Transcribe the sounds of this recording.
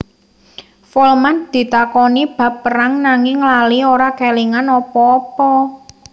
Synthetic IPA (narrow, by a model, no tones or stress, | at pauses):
fɔlmand̪̥i̤t̪akɔnib̥a̤pːəɾaŋnaŋɪŋːlalioɾakɛliŋanɔpɔːpɔ